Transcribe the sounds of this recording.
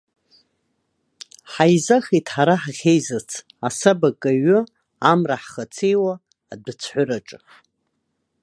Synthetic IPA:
ħajzaxitʰħaɾaħʁʲejzat͡sʰ | asabakʼaɥʊ | amraħχat͡sʰejwaː | dɨt͡sʰħʷʊraʈ͡ʂʼ

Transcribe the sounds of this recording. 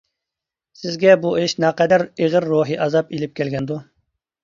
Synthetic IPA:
sɪzɡʲɛbueʃnɑqɛd̪æɾeʁəɾːoɦɨʔɑzɑpilɪp̚kʲʰɛlɡʲɛnd̪u

